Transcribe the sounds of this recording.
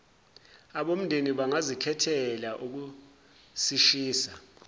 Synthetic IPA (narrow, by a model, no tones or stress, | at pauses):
aɓom̩ndʱeniɓaŋazikʰɛtʰɛlaʔuk̬u | siʃiːsa